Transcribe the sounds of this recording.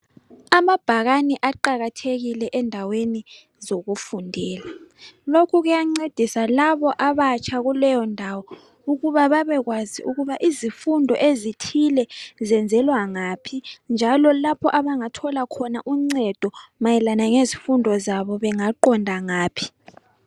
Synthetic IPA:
amab̥ʱaɣaniʔaǃaɣatʰeɣilɛʔɛndʱaweni | zoɣufundʱɛːlalokʰuɣujaŋ͡ǀed̥ʱisalaβɔʔaβat͡ʃʰaɣulɛjɔndʱawɔ | uɣuβaβaβɛɣwaziuɣuβaʔizifundʱɔ̰ʔezitʰilɛzɛnd͡zʱɛlwaŋapʰind͡ʒʱalɔlapʰɔʔaβaŋatʰɔlakʰɔnaʔuŋ͡ǀɛd̥ʱɔmajɛlanaŋezifundʱɔzaβɔβɛŋaǃɔndʱaŋaːpʰi̥

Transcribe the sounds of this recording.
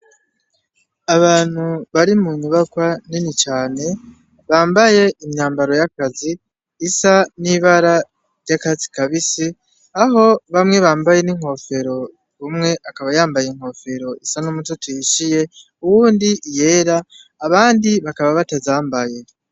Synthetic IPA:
aβaːn̥huβaɾimuɲuβakwaninit͡ʃaːne̞ | βaːmbaje̞ʔimɲaːmbaɾo̞jakaziː | saniβaɾa | ɾɟakazikaβisi | aɦo̞βamŋe̞βaːmbaje̞niŋ̥ho̞fe̞ɾo̞ | βumŋe̞ʔakaβajaːmbajeŋ̥ho̞fe̞ɾo̞isanumutotiʃije̞ | uwuːndiʔje̞ːɾaː | βaːndiβakaβaβatazaːmbaje̞

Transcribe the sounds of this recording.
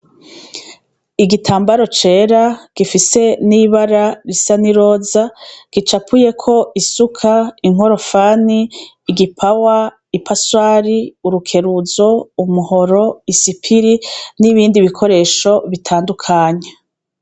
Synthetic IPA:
iɡitʰaːmbaɾo̞t͡ʃe̞ːɾaɡ̥ifise̞niβaɾaɾisaniɾo̞ːzaɡ̥it͡ʃapʰuje̞kʰo̞ʔisukʰaiŋ̥o̞ɾo̞faːniː | ɡipʰawa | ipʰaswaːɾiuɾukʰe̞ɾuzo̞umuho̞ɾo̞isipʰiɾiniβiːndiβikʰo̞ɾe̞ːʃo̞βitʰaːndukʰaːɲe

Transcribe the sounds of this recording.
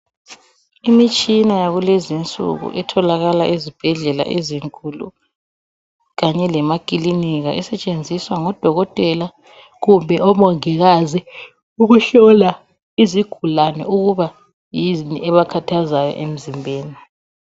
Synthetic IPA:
imit͡ʃʼinajaɣulɛzint͡sʼṵɣṵʔɛtʰɔlaɣalaʔizib̥ʱɛɮɛla̰ʔeziŋkʼulṵ | ɣaɲɛlɛmakʼiliniɣa̰ʔɛsɛt͡ʃʼend͡zʱiswaŋɔd̥ʱɔɣɔtʼɛla | ɣumbʱɛʔɔmɔŋɛɣazi | uɣuɬɔla | iziɡ̥ʱulanɛ̰uɣuβa | jizniɛβakʰatʰazajɔ̰ʔem̩zimbʱeːni

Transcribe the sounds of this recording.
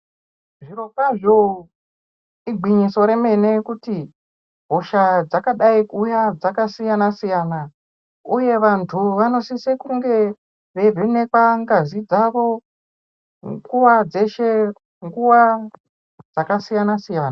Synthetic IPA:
ʐiro̞kaʐo | iɡʱiɲiso̞ɾe̞me̞ne̞kuti | ɦo̞ʃad͡zakaɗaikujad͡zakasijanasijaːna | uje̞ʋantʰuʋano̞sisekuŋɡe̞ | ʋe̞rʱine̞kwaŋɡazid͡zaʋo̞ | ŋɡuwad͡ze̞ʃe | ŋɡuwa | d͡zakasijanasijaːna

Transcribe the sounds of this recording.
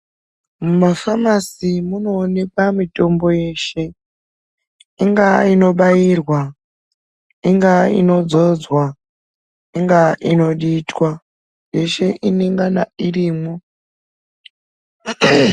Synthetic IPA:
mumafamasimuno̞ːne̞kamito̞mbo̞je̞ʃe̞ | iŋɡaino̞ɓajirwa | iŋɡaḭno̞d͡zo̞d͡zwa | iŋɡaino̞ɗitwa | je̞ʃe̞ʔineŋɡanaiɾiːmo

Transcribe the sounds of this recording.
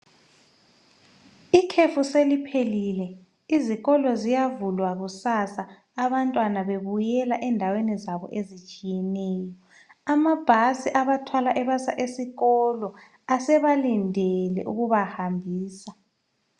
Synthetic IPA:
ikʰefuselipʰelilɛ | iziɣɔlɔzijavulwaɣusasaː | βantʼwanaβeβujɛlaʔɛndʱawenizaβɔ̰ʔezit͡ʃʼijɛnɛːjɔ | amab̥ʱasiʔaβatʰwalaʔɛβasaʔesiɣɔlɔ | asɛβalindʱɛlɛ̰ʔuɣuβahambʱiːsa

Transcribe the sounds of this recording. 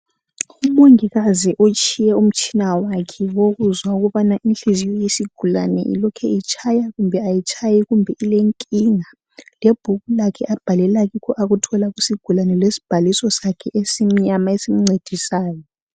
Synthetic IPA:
umoŋiɣaziʔot͡ʃʼijɛum̩t͡ʃʰʼinawakʰɛwoɣuzwauɣuβanaʔinɬizijɔjisiɡ̥ʱulanɛ̰ʔḭlɔkʰɛit͡ʃʰʼajaɣumbʱɛajit͡ʃʼʰajiɣumbʱɛʔileŋkʼiŋa | lɛb̥ʱuɣulakʰɛʔab̥ʱalɛlaɣikʰɔʔaɣutʰɔlaɣusiɡ̥ʱulanɛlesi̥b̥ʱalisɔsakʰɛʔesimiɲamaesim̩ŋ͡ǀed̥ʱisaːjɔ

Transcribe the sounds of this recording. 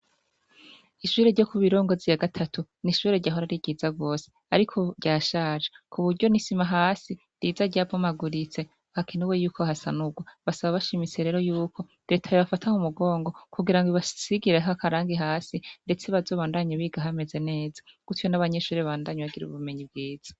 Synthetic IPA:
iʃuːɾe̞ɾɟo̞kuβiɾo̞ːŋɡo̞zijaɡatʰatʰuniʃuːɾe̞ɾɟaːɦoɾaɾiɟiːzaɡo̞ːse̥ | aɾikʰo̞ɾɟaːʃaːʒekʰuβuɾɟo̞nisimaɦaːsi | dizaɾɟaːbomaɡuɾit͡se̞ | hakinuwe̞juːkohasanuɡwaβasaβaβaʃimit͡se̞ɾe̞ːɾo̞juːkʰo̞ | de̞tʰajoβafatʰaŋumuɡo̞ːŋɡo̞kuɡiɾaŋɡiβasiɡiɾeɦakaɾaːŋɡiɦaːsinde̞t͡se̞βazo̞ːβaːndaɲaβiɡaɦame̞ze̞ne̞ːzḁɡ̥utjo̞naβaɲe̞ʃuːɾeaaːndaːɲeβaɡiɾṵβume̞ɲib̚ɡiːz̥ḁ

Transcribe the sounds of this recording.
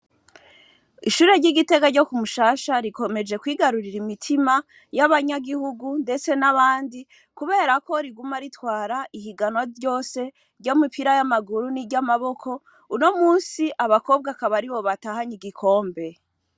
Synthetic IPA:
iʃuːɾe̞ɾɟiɡite̞ɡaɾɟo̞kumuʃaːʃaɾiko̞me̞d͡ʒe̞kwiːɡaɾuɾiɾimitʰima | jaβaɲaɡihuɡunde̞t͡se̞naβaːndi | kuβe̞ːɾako̞ɾiɡumaɾitwaːɾaʔihiɡanwaɟo̞ːse̞ | ɾɟomipʰiɾajamaɡuɾuniɾɟamaβo̞kʰo̞ | uno̞muːnsiʔaβako̞ːb̚ɡakaβaɾiβo̞βatahaɲiɡikʰo̞ːmbe̞

